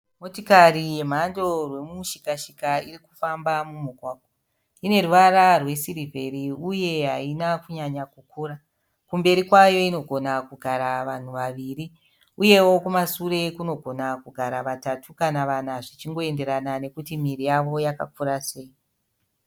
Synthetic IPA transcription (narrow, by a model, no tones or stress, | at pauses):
mo̞tikarije̞m̤ando̞rwe̞muʃikaʃikairiku̥fambamumukwaːk̚o | ine̞ruʋaɾarwe̞siɾivʱe̞ɾiuje̞ɦainakuɲaɲakukuːɾa | kumbe̞ɾikwajo̞ino̞ɡʱo̞nakuɡʱaɾaʋan̤uʋaʋiri | uje̞wo̞kumasuɾe̞kuno̞ɡʱo̞nakuɡʱaɾaʋatatʰukanaʋan̤aʐit͡ʃiŋɡo̞e̞nde̞ɾanane̞kutimirijaʋo̞jaka̰kuɾase̞i